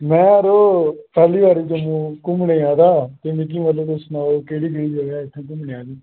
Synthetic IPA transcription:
mɛ̃ːɾoːpʰɛːliːʋaːɾiːt̪ʊmũːkʊmɳeːaːd̪aːt̪eːmɪ̃k̬ĩːməloːd̪osnaːoːkeːɽiːɡɪɽiːd͡ʒoːɡaːɪt̪ʰːãːkʊmneːaːd̪iː

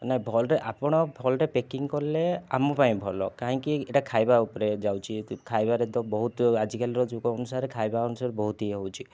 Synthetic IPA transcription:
naɦĩbʱɔlɾeʔapɔɽ̃ɔbʱɔlɾepekiŋkɔɾlea̰mɔpaĩbʱɔlɔkaɦĩkieʈakʰajbaupɔɾed͡ʒawt͡ʃʰikʰajbaɾet̪ɔbɔɦut̪ad͡ʒikalɔɾɔd͡ʒuɡɔɔnusaɾekʰajbaɔnusaɾbɔɦut̪iɦowt͡ʃʰi

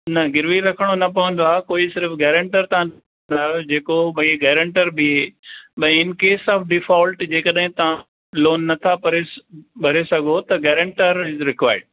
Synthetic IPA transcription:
nɐɡɪɾʋiɾɐkʰəɽ̃onɐpɐʋə̃n̆d̪aːkoːisɪɾəfɡɛːɾə̃ɳʈəɾt̪ɐãn | nd̪aːɦod͡ʑeːkobʱɐ̃ɡɛːɾə̃ɳʈəɾbieːɓɐ̃ɪ̃ɪnkeːsɔːfɖɪfɔːlʈd͡ʑeːkɐɗɦɪ̃t̪ɐ̤ã | loːnːɐt̪ʰapɐɾebʱɐɾesɐɡʱot̪ɐɡeːɾə̃ɳʈəɾɪzɾɪkʋaːɪɖ̚

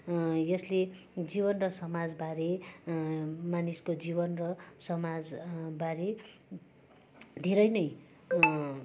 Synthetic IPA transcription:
jʌsle | d͡zibʌnrʌsʌmad͡zbaɾe | maniskod͡zibʌnrʌsʌmad͡zbaɾe | d̪ʱeɾʌjnʌj

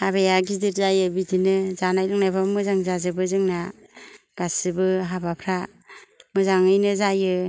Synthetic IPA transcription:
abejaɡidiɾzajɯbidinɯzanajlɯŋnajbamɯzaŋzazɯbɯzɯŋna | ɡ̥asɯbɯɦabapʰɾa | mɯzaŋɯjnɯzajɯ

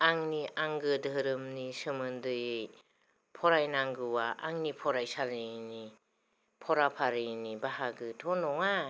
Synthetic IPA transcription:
aŋniʔaŋɡɯdʱɯɾɯmnisɯmɯndɯjej | pʰɔɾajnaŋɡɯwaaŋnipʰɔɾajsaɾɯjni | pʰɔɾapʰaɾɯjnibahaɡɯtʰɔnɔŋa

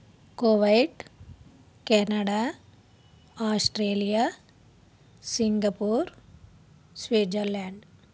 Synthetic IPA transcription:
koːʋɐjʈ | kɛnɐɖaː | aːsʈɾeːlijaː | siŋɡɐpuːɾ | sʋeːd͡ʒɐɾlaːɳɖ

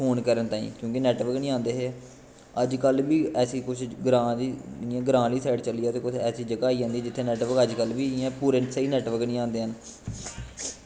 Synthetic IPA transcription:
fʰoːnkəɾənt̪ãːḭ̃ːkjõːkɪnɛːʈʋəɾknĩːãːnd̪eːɦeː | əd͡ʒkəlbiːɛːsiːkʊt͡ʃʰɡɾãːliːniɛ̃ːɡɾãːliːsɛːɖt͡ʃəliːaːt̪eːkʊt͡ʃʰɛːsiːd͡ʒəkaːiːd͡ʒãːnd̪iːɛd͡ʒɪt̪ʰːeːnɛːʈʋəɾkəd͡ʒkəlbiːɛ̃ːpuːɾẽsəiːnɛːʈʋəɾknĩːãːnd̪eːɦən

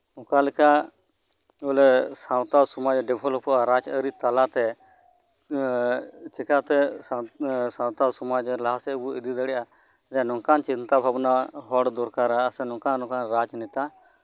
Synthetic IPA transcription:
ɔ̃kalɛka | ɡɔlɛsãwt̪asumad͡ʒɖɛbʱɔlɔpɔʔaɾad͡ʒəɾit̪alat̪ɛ | t͡ʃɛkat̪ɛ | sãwt̪asumad͡ʒɛlaasɛbuid̪id̪əɽɛʔa | ɾanɔ̃kant͡ʃint̪abʱabnaɦɔɽd̪ɔɾkaɾaːsɛnɔ̃ŋkanɔ̃kanɾad͡ʒnɛt̪a

